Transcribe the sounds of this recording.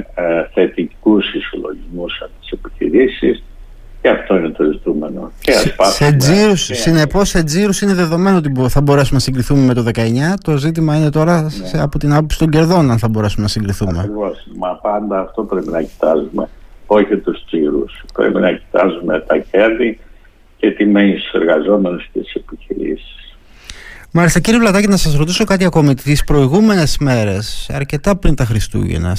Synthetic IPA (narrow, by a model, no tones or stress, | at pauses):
θe̞t̪ikusiso̰lo̞ʝizmusɐpt̪i̥se̞pi̥çḭɾisis | ceɐft̪o̞inet̪o̞zit̪ume̞no̞̰c̪iɐspɐssed͡ziɾussine̞po̞sːe̞d͡ziɾusine̞ðe̞ðo̞me̞noot̪̬ibθɐbo̞ɾe̞sumenɐsiŋɡɾiθume̞me̞t̪o̞ðe̞kɐe̞ɲɐt̪o̞zit̪̬imɐine̞t̪o̞ɾɐsɐpot̪inɐpo̞psi̥t̪o̞ɲɟe̞ɾðo̞nɐnθɐbo̞ɾe̞sumenɐsiŋɡɾiθumeɾivosmɐpɐnd̪ɐːft̪o̞pɾe̞pinɐci̥t̪ɐzume̞̰o̞çit̪ust͡siɾṵspɾḛpinɐci̥t̪ɐzume̞t̪ɐce̞ɾði | cet̪ime̞nist̪u̥seɾɣɐzo̞me̞nuscet̪i̥se̞piçiɾḭsi̥s | mɐlest̪eciɾivlɐt̪ɐcinɐsɐsɾo̞t̪iso̞kɐt̪iɐko̞mit̪ispɾo̞iɣume̞ne̞zme̞ɾe̞sɐ̰ɾce̞t̪ɐpɾint̪ɐxɾist̪ṵʝḛnɐ̰s